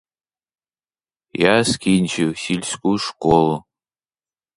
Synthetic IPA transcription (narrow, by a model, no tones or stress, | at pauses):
jaːskʰʲint͡ʃʰiwsilʲskʷʼuʂkʷʼolu